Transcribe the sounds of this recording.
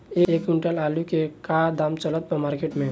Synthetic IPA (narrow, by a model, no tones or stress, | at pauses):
eːekʊɳʈəlaːlukekad̪amt͡ʃələt̪̚pəmaːɾkeːʈmẽ